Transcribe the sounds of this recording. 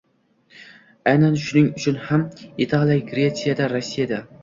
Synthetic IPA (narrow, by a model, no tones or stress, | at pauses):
ajnanʃʊnɪŋʊt͡ʃʰʊnhamɪt̪ʰɑlˠjaɡɾet̪sijad̪aɾɒsːijad̪a